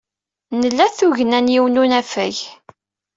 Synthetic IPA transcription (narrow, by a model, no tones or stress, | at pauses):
nəlːæθuʝənænjiwnunæfæʝ